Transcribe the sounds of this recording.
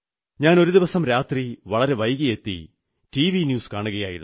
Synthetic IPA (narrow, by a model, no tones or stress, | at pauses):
ɲaːno̞ɾud̪iʋɐsɐmɾaːt̪riʋɐɭɐɾe̞ʋɐjɣije̞t̪ːḭ | tiːʋinjuːskaːɳuɣɐja̰ːjḭɾun